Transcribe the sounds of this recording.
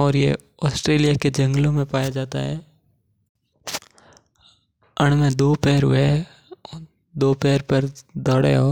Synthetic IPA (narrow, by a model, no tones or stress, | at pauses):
ɔːɾjḛ | ɔːsʈɾeːlijaked͡ʒɐ̃ŋɡlõmẽpaːjad͡ʒaːt̪a̰ɦɛː | əɽ̃mẽd̪oːpɛːɾɦʊ̰e | d̪oːpɛːɾpɐɾd̪ʱɔɽ̰oː